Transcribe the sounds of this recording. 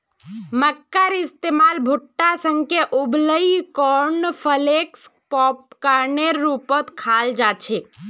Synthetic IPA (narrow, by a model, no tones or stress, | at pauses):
məkːəɾɪst̪eːmaːlbʱʊʈːasə̃ŋkeʔubləikɔɾnpʰəlekspɔːpkəɾneɾːupət̪kʰaːld͡ʒat͡ʃʰek̚